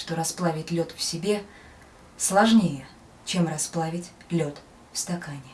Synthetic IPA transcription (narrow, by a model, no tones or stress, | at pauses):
ʂt̪o̞ɾɐsplˠavʲɪtʲlʲo̞t̪fsʲɪbʲe̞ | slˠɐʐnʲejə | t͡ɕe̞mrɐsplˠavʲɪtʲ | lʲo̞t̪ | fst̪ɐkanʲɪ